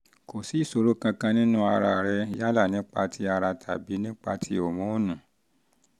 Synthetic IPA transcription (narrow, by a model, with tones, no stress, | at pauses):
ko˨si˨˦˨so˧ɾo˦kã˧kã˧nĩ˦nũ˦a˧ɾa˧˨ɾɛ˧ja˦la˦˨nĩ˨˦k͡pa˧tʰi˧˦a˧ɾa˧tʰa̰˨bi˨˦nĩ˦k͡pa˧tʰi˧˦o˨mɔ̃˨˦o˦˨nũ˨